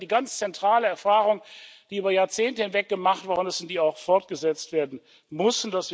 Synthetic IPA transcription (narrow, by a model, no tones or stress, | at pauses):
d̥iːɡant͡st͡sɛntʁ̥aːləɛɐfaːʁʊŋd̥iːʔyːbɐjaːɐt͡seːntəhɪnvɛk̚ɡ̥əmaχtv̥aːʁəʊnd̥ɛsɪntd̥iːaʊxfɔɐt̚ɡ̥əzɛt͡stv̥eːɐdn̩ | mʊsn̩d̥asv̥i